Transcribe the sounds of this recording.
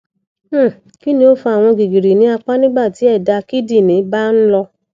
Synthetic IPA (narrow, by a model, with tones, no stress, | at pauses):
ki˦nĩ˧o˦fu˧a˨w̃ɔ̃˧ɡi˨ɡi˨ɾi˨nĩ˨˦a˧k͡pa˦nĩ˦ba˦˨ti˨˦ɛ˦˨da˧ki˦di˦˨nĩ˨˦ba˦n̩˦lɔ˧